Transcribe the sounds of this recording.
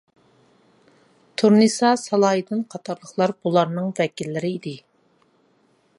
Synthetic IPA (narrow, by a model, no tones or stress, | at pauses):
t̪ʰuɾnisɑsɑlˠɑːjid̪ɨnqʰɑt̪ʰɑɾlˠəχlˠɑɾbulˠɑɾnɨŋvɛkʲilːɪɾɪid̪ɪ